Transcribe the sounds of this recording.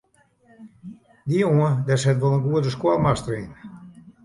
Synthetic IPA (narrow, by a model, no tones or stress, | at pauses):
dioədɛshɛtʋolˠənɡuədəskwalˠmastərin